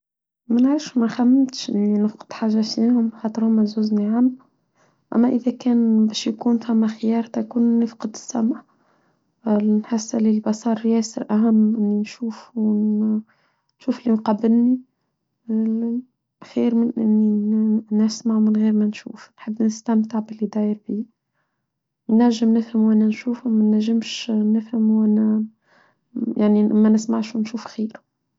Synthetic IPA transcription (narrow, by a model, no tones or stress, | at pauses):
mænʕɾəfʃmæxæmːɪt̪ʃʔɪ̰nːinɪfqə̥d̪̥ħaːʒːaʃinhʊmxɑːt̪ˤɨɾhʊmːæzuːzniʕamː | ʔæ̰mːæʔɪðækæːnbɛʃjkuːnfæmːæxɪjɑːɾˤt̪ækuːnːɪfqəd̪ɪ̥sːamʕ | nħɪsːalilbɑsˤɑːɾˤjæːsəɾʔæɦamːʔɪnːinʃuːf | nʃuːflinqɑbːɪlni | xiːɾmɪnʔɪ̰nːinæsmaʕmɪnɣiːɾmænʃṵːfnħəbːnəst̪æmt̪aʕbɪlːid̪ˤæːjəɾbiː | naɾʒəmnɪfhəmwʔænænʃuːfumænæʒɪmʃnɪfhɪmwʔænæ | jaʕnimːænɪsmaʕʃwnʃuːfxiːɾu̥